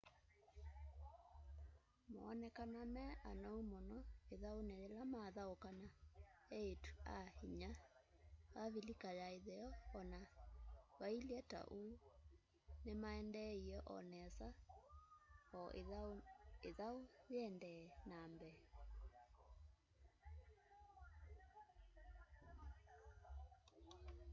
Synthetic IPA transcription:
mo̰ɔnɛkanamɛa̰nɔumɔnɔeðaoneɾelamaðaokanaɛetu̥ahiɲa | aβilikajaeðɛɔːna | wailiɛta̰ʔu | nemaɛndɛiɛʔɔ̰nɛsa | ɔ | eðaoðeɛndɛnambɛ

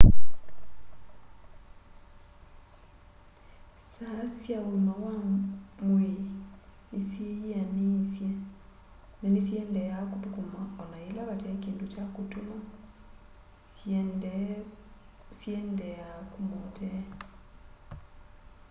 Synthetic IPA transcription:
sasjauimawamwe | isianisje | nanisjeːndejakupukumaonajilaβateːkiːnducakutuma | sjendejakumutʰe

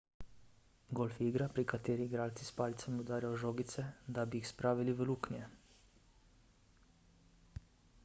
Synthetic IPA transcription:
ɡolfiɡɾapɾikat̪eːɾiːɡɾaːlt̪sispaːlit̪samiɔd̪aːɾjawʒoːɡit̪sɛd̪abiixspɾaːʋiliʋəluknjɛ

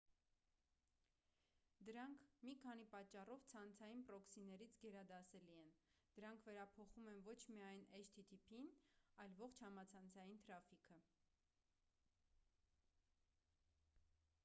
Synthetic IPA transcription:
d̪əɾɑŋkʰmikʰɑn̪ipɑt͡ʃːɑrɔvt͡sʰɑnt͡sʰɑjinpɾɔksinɛɾit͡sʰɡɛɾɑd̪ɑsɛliɛnd̪̥əɾɑŋkʰvɛɾɑpʰɔχumɛnvɔt͡ʃʰmiɑjnɛʃt̪ʰit̪ʰipʰinɑjlvɔχt͡ʃʰhɑmɑt͡sʰɑnt͡sʰɑjint̪ʰɾɑfikʰə

